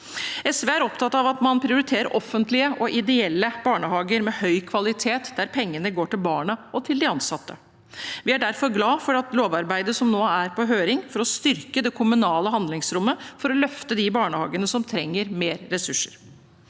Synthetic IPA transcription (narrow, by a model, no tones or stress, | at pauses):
ɛsʋeːæɾɔpt̪ʰɑt̪ːɑʋɑt̪mɑnpʰɾɪʊɾɪt̪ʰeːɾəɾʔɔfːənt̪lɪəʔɔʔɪd̪ɛɛlːəb̥ɑːɳəhɑːɡəɾmɛhœʏkʰʋɑlɪt̪ʰeːt̪d̪æɾpʰɛŋːənəɡoːʈɪlbɑːɳɑʔɔt̪ʰɪld̪ɪɑnsɑt̪ːə | ʋɪæɖæɾfɔɾɡlɑːfɔɾɑt̪loːʋɑɾbæɪd̪əsɔmnoːæɾpɔɦøːɾɪŋfɔɾɔst̪ʏɾkəd̪ɛkʰʊmʉnɑːləɦɑnd̪lɪŋsɾʊmːəfɔɾɔlœft̪əd̪ɪbɑːɳəhɑ̰ːɡənəsɔmt̪ʰɾɛŋːəɾmeːɾːɛsʉʂːə̥ɾ